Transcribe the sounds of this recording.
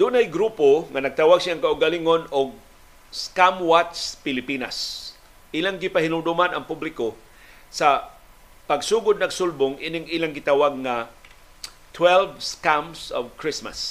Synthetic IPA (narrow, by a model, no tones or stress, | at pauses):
d̪ʊnajɡɾuːpoŋanɐɡ̚t̪awaɡsjaaŋkaʔʊɡalɪŋonoɡ̚ | skamwat̪spɪlɪpina̰s | ʔɪlaŋɡɪpahɪnʊŋd̪ʊmanɐ̰ŋpublɪko | sa | pɐɡsuːɡʊd̪̚nɐɡsʊlbʊŋʔinɪŋiːlaŋɡɪt̪awaɡ̚ŋa | t̪ʰwɛlvskamsovkɹɪsma̰s